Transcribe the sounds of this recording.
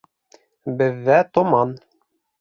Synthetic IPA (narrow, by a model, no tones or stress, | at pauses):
bɘ̆ðːæt̪ŏmɑn